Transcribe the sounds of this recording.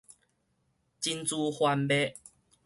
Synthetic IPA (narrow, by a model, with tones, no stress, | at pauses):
t͡ɕi˦˧nt͡su˧hwa˧nbe˦